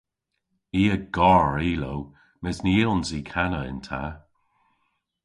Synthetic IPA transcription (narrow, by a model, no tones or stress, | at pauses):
iːəɡ̥ɔɹiːlow | mɛzniilˠnziːkʰanəɪ̰ntʰa̰